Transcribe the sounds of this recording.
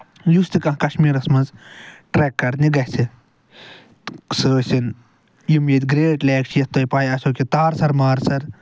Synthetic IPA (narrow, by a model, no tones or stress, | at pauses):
just̪ikɐ̃ɦkɐʃmiːɾɐsmɐnzʈɾeːkːɐɾniɡɐhsi | səːsin | jimjet̪ʲɡɾeːʈleːkt͡ʃʰjɐst̪oːjpaːjɐsoːkʲit̪aːɾsɐɾmaːɾsɐɾ